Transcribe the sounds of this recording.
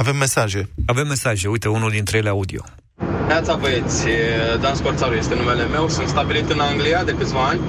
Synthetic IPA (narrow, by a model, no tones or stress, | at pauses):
ave̞mːe̞saʒe̞ave̞mːe̞saʒe̞ujt̪eunuld̪int̪ɾejeleaud̪io̞̰ | neat̪savet̪sʲd̪anskort̪saɾuje̞st̪e̞nume̞le̞me̞wsunt̪st̪abilit̪ɨnaŋɡliad̪e̞kɨt̪sʲvaanʲ